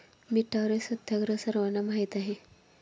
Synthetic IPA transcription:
miʈʰːaʋɾesət̪jaɡɾəsəɾʋanamaɦit̪aɦe

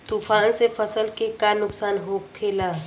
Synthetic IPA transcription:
t̪uːfʰaːnsepʰəsəlkekanʊksaːnɦoːkpʰeːlaː

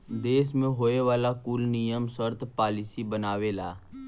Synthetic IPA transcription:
d̪eːsmẽːɦoːeʋaːlaːkuːlnijəmsəɾt̪paːlɪsiːbənaːʋeːlaː

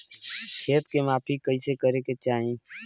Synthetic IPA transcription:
kʰeːt̪kemaːpʰikəisekəɾeket͡ʃaːɦĩː

